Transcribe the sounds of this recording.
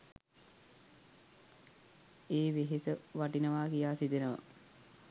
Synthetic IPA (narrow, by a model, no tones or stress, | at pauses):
eːʋeɦesəʋaʈinəʋaːkijaːsid̪enəʋə̰